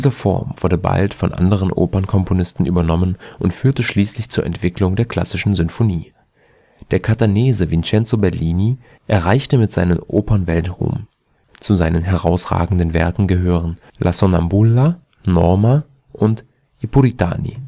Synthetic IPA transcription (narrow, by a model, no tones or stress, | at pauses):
d̥iːzɐfɔ̰ɐmvʊɐdəba̰ltfɔnʔa̰ndəʁ̞ənʔo̰ːpɐnkʰɔmpʰonɪstn̩ʔyːbɐnɔmənʔʊntfyːɐtəʃliːslɪçt͡suːɐʔɛ̰ntv̥ɪklʊŋdeːɐkʰl̥a̰sɪʃn̩zʏnfoniː | d̥eːɐkʰataneːzəvɪnt͡ʃɛnt͡sobɛɐliːni | ʔɛɐʁ̞aɪçtəmɪtz̥aɪnəmʔoːpɐnvɛltʁṵːm | t͡suzaɪnənɦɛʁ̞aʊsʁ̥a̰ːɡŋ̩dənvɛɐkŋ̩ɡəɦøːʁ̞ən | lʔasonambulːa | nɔɐma | ʔʊnt | ʔepulitʰa̰ːnḭ